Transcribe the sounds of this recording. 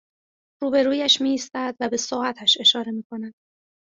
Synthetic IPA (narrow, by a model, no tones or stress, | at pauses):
ruːbe̞ɾuːjæʃmiːiːst̪æd̪væbe̞sɒːæt̪ʰæʃe̞ʃɒːɾe̞miːkʰo̞næd̪̥̚